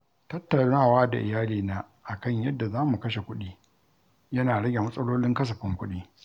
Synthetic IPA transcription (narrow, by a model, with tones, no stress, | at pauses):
tɐ˦tːɐ˨naː˦˨waː˦da̰˨ʔɪ˨jaː˦liː˨naː˦ | ʔa˨kɐ˦˨ɲjɐ˦dːa˨zaː˦mu˨kɐ˦ʃe˨kʷʊ˦ɗiː˦ | jɐ˦naː˨ɽɐ˦ɡʲe˨mɐ˦sʼɐ˦loː˦lɪ˦ŋkɐ˦s̬ɐ˨ɸɪ˦ŋkʷʊ˦ɗiː˦